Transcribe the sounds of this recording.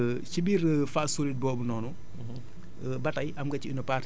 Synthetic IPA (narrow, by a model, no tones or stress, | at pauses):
cibiːrfaːsolit̚bɔːbunɔːnu | bɐtɐjʔɐmɡɐciinɔpaːr